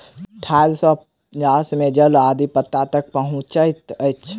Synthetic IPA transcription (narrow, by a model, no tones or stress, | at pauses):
ʈʰaːlsɔp | ət͡ʃaːsmẽd͡ʒəlaːd̪ipət̪ːat̪ək̚pəɦʊ̃t͡ʃəɪt̪ət͡ʃʰ